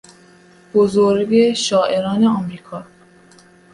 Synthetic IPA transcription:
b̥ozoɾɡeʃɒːʔe̞ɾɒːneɒmɾiːkʰɒː

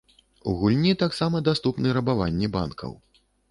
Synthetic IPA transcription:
ṵɣulʲnʲit̪aksamɐd̪ast̪upnɨɾɐbavanʲːɛba̰nkʰɐ̰w

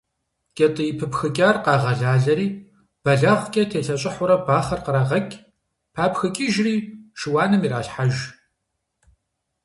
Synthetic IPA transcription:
kʲʼɐtʼɨjipʰɨpxɨkʲʼaːrqɑːʁɐɮaːɮɐɾiː | b̥ɐɮɐʁʷkʲʼɐtʰeːɬɐɕʼɪħʊɾɐbaːχɐrqəɾaʁɐkʲʼ | pʰaːpxɨkʲʼiʒriːʃɨwaːnɨmiɾaːɬħaʒ

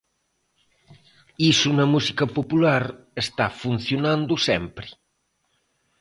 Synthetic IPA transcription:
isunɐmusikɐpopulaɾ | est̪afun̟θjonãnd̪usɛmpɾɪ

